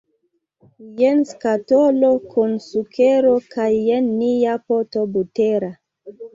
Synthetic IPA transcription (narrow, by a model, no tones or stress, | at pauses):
jenskatolokʰunsukʰeɾokajːenːijapotobuteɾa